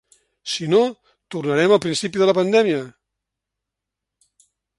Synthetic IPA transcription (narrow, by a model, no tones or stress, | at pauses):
sino | t̪urnəɾɛməlˠpɾinsipiðələpənd̪ɛmiə